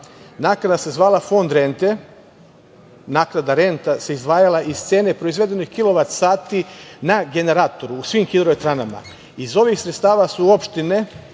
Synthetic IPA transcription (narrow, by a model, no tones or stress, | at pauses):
naːkɾad̪ase̞zʋaːlˠafo̞nd̪ɾe̞nt̪e | naːknad̪aɾe̞nt̪ase̞izd̪ʋaːjalˠaʔiz̥t̪se̞ːne̞pɾo̞izʋe̞d̪e̞nixkilo̞ʋat̪ssaːt̪inaɡe̞ne̞ɾaːt̪o̞ɾuːsʋiːmxid̪ɾoʋet̪ɾanama̰ | izo̞ʋixsɾet̪st̪aːʋasuo̞pʃt̪ine̞